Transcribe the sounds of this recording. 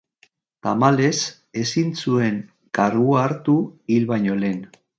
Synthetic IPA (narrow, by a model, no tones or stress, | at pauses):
t̪amale̞s | e̞sinsue̞ŋ | karuaːɾt̪uilβajɲo̞le̞n